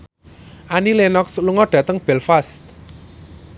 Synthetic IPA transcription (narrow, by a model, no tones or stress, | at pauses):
ʔanilenɔksluŋɔɖ̥ä̤t̪əŋb̥ɛlfast̪̚